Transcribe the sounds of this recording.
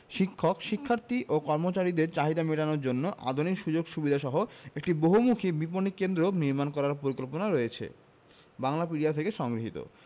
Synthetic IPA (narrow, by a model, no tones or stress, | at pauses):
ʃikʰːokʃikʰːaɾt̪iʔokɔɾmot͡ɕaɾid̪eɾt͡ɕaɦid̪ameʈanoɾd͡ʑonːoʔa̰d̪ʱunikʃud͡ʑoɡʃubid̪ʱaʃɔɦoek̚ʈiboɦumukʰibiponikːend̪ɾoniɾmankɔɾaɾpoɾikolponaɾojet͡ɕʰḛ | baŋlapiɽiat̪ʰekeʃɔŋɡɾiɦit̪o̰